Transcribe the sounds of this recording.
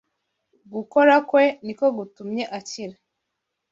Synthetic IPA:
ɡukoɾakwenikoɡutumɲeʔaciɾe

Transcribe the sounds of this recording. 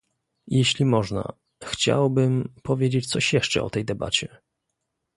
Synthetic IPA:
jɛɕlʲimɔʐna̰ | xt͡ɕa̰wbɘmpɔvʲjed͡ʑet͡ɕt̪sɔɕjɛʂt͡ʂɛ̰ɔ̰t̪ɛjd̪ɛba̰t͡ɕɛ

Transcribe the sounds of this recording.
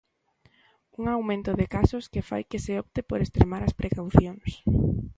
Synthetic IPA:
uŋawmẽnt̪ʊðɪkasʊskɪfa̰jkɪsɪɔpt̪ɪpoɾest̪ɾemaɾaspɾʔekawθjoŋs

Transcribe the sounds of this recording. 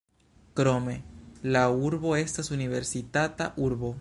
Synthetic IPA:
kɾomelauɾβoest̪asuniβeɾsit̪at̪aʔuɾβo

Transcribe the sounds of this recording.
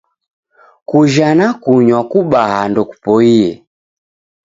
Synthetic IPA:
kuʒanakuɲwakuɓahandɔku̥pɔiɛ̰

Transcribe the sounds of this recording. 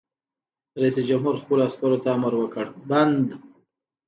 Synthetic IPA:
ɾaisd͡ʒamɦuɾxpəloaskaɾot̪aːmaɾwəkəɽband̪

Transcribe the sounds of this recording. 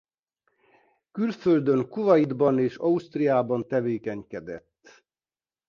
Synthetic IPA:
kylføld̪øŋkuvɒjid̪bɒneːʃɒust̪rijaːbɒnt̪ɛveːkɛɲkɛd̪ɛ̰t̪ː

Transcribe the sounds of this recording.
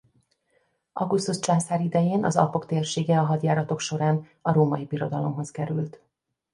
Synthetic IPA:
ʔɒɡust̪ust͡ʃansaːɾid̪ɛjeːnɒ̰zɒ̰po̞kt̪eːrʃeːɡɛɒɦɒd̪jaːɾɒt̪o̞kʃo̞ɾaːn | ɒɾoːmɒjibiɾo̞d̪ɒlo̞mɦo̞skɛɾylt̪

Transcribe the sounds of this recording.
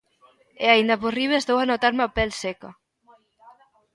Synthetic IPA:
eaind̪aposriβezd̪owanot̪aɾmapɛlsɛka

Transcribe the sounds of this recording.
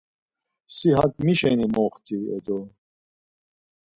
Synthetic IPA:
siɦɐt̪miɕenimoːqt̪ʰiḛd̪o

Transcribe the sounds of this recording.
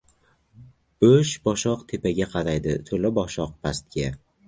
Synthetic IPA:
b̥ʊʃbɒʃɒqt̪ʰe̞paɡʲaqʰɑɾajd̪ɪt̪ʰolabɒʃɒq̚pʰast̪̚ɡʲa

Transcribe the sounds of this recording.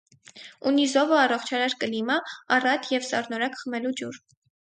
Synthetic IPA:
unizɔvəɑrɔχt͡ʃʰɑɾɑɾkəlimɑːrɑt̪ʰjɛvsɑ̰ɾnɔɾɑkχəmɛlud͡ʒuɾ

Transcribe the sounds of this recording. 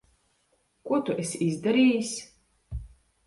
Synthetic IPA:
kʷʼuɔt̪uʔesizd̪aɾiːsʲ

